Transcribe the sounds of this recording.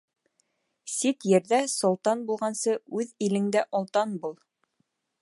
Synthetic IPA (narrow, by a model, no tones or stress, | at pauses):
sit̪jɘ̆ɾðæsŏlˠt̪ɑnbulˠʁɑnsɤʉðilɘ̆ŋd̪æʔɒlˠt̪ɑnbulˠ